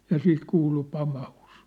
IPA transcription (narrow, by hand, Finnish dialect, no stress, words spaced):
jɑ sit kuːlu pɑmɑhus